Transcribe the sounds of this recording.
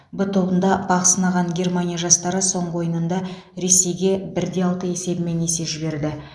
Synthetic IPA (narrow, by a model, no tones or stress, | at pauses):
bʊt̪ʰo̞bənd̪ɑbɑʁəsənɑʁɑŋɡʲe̞rmanijaʒɑst̪ɑɾəso̞ɴʁəwo̞jənənd̪ɑ | ɾe̞se̞jɡʲe̞bɪɾd̪e̞ɑlˠt̪əe̞se̞bɪme̞ne̞se̞ʒɪbe̞ɾd̪ɪ